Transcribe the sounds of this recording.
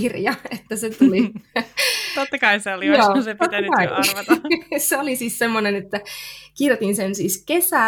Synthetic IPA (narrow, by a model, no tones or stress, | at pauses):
irjɑet̪ːæset̪uli | t̪ot̪ːɑkɑiseolijoːsep̪ot̪ːɑkɑi | seolisiːssemːonenet̪ːækirjot̪insensiːskesæ